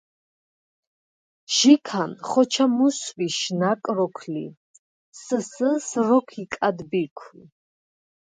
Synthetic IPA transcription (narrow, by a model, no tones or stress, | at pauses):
ʒ̥ikʰanχɔt͡ʃʰamuswiʃnakʼɾɔkʰlḭ | səsəsrɔkʰikʼad̪bikʷʰn